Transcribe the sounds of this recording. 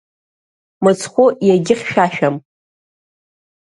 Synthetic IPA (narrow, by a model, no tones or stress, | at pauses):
mɨt͡sʰχʷʊjaɡʲɪχʲʃᶣaʃᶣam